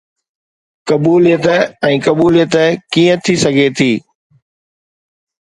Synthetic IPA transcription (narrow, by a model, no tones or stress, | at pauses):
kɐbuːlijət̪əɛ̃ːkɐbuːlijət̪əkiːə̃t̪ʰisɐɡʱet̪ʰiː